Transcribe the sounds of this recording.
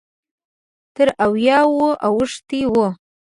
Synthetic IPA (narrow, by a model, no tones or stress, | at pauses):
t̪ʰəɾawjɑwoʔawʊʂt̪iwo